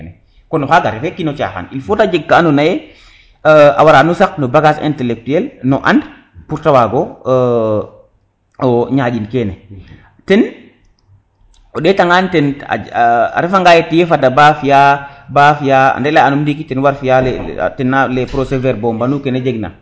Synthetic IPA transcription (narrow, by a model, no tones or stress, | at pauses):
nɛ | kɔnɔxaɡaɾɛfɛkinot͡ʃa̰xa̰nilfotad͡ʒeɡ̚kaːnonajɛ | a̰waɾanusak̚nɔbaɡasɛ̰ntɛlɛk̚tuɛlnɔʔa̰nd | puɾtawaɡɔ | ɔɲad͡ʒinkɛnɛ | tɛn | ɔɗɛtaŋantɛna̰a̰ɾɛfaŋɡajetijefadabafijabafijaa̰ndɛlaanumdikitɛnwaɾfijalɛ̰tɛnːalɛpɾosevɛɾbɔmbanukɛned͡ʒeɡna̰